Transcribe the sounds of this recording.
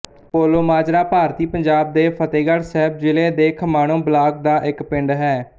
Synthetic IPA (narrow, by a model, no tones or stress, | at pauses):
poːloːmaːd͡ʒɾaːpaːɾt̪iːpəɲd͡ʒaːb̚d̪eːpʰət̪eːɡəɽsɛːb̚d͡ʒɪleːd̪eːkʰmaːɽ̃õːblaːkd̪aːʔɪkpɪ̃ɳɖɦɛː